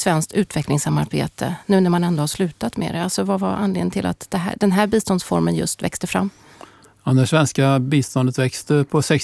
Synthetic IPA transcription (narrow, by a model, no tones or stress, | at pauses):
svɛnskt̪ʉ̟ːt̪vɛklɪŋsamːaɾbḛːt̪ʰə̰nʉ̟ːnæɾmanɛnd̪ɔhaʂlʉ̟ːt̪at̪mḛːɾɛalsɔvava̰ʔa̰nlɪ̰ːŋnt̪ʰɪlʔa̰t̪d̪̥ɛɦæ̰ɖ̪ɛnɦæːɾbiːst̪ɔnd̪sfɔɾmənjɵ̰st̪vɛ̰kst̪əfɾa̰mː | and̪əʂvɛnskabiːst̪ɔnd̪ət̪vɛkst̪əpʰɔsɛk